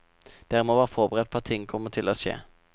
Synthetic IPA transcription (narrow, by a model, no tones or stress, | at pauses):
d̪̥æːʁmoːʋɑːʁfɔʁbəʁɛɛt̪̚pʰɑt̪ʰɪŋːkʰɔmət̪ʰɪloːʃḛː